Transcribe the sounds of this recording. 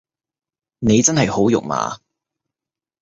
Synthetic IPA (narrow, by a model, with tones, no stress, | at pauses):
ne˨˧jt͡sɐ˥nɦɐ˨jho˨˥wjʊ̰˨k̚ma̰ː˨˧